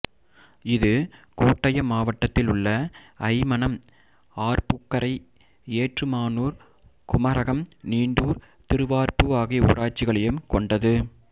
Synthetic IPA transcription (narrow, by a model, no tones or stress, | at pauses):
ɪðɯkuːʈːɐjɐmaːʋɐʈːɐt̪ːɪlʊɭːɐɐɪmɐnɐm | aːɾpʊkːɐɾɐɪ | eːʈrɯmaːnuːɾ | kʊmɐɾɐɣɐmniːɳɖuːɾ | t̪ɪɾɯʋaːɾpɯaːɣɪṵːɾaːʈt͡ʃːɪɣɐɭɐjɯmkɔɳɖɐðɯ